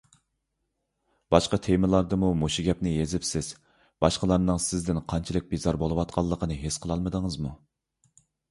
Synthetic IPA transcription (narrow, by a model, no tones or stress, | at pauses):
b̥ɑʃqɑt̪ʰemɨlˠɑɾd̪ɨmumoʃuɡʲɛp̚nɪjezɪpsɪz̥ | b̥ɑʃqəlˠɑɾnɨŋsɪzd̪ɪnqʰɑnt͡ʃʰlˠɨk̚ʲbizɑɾbolˠɨwɑt̪qʰɑlˠːəqʰənɨɦesqʰəlˠɑlˠməd̪əŋɨzmu